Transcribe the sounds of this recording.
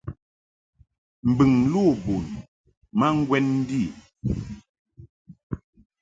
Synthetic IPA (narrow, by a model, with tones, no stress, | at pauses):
m̩˨bɨ˨ŋlu˦˨bu˨n | ma˦ŋ̩˦ɡwɛ˦nn̩˦di˦˨